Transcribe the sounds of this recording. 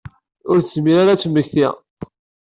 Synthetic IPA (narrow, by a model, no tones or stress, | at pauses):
ʊɾθəzmiɾaɾat͡sːəmːəçθi